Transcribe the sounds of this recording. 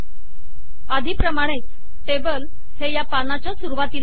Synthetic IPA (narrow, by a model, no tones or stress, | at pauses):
ad̪ʱiːpɾəmaɽ̃et͡s | ʈebəl | hejapanat͡ɕjasuɾuʋat̪iːl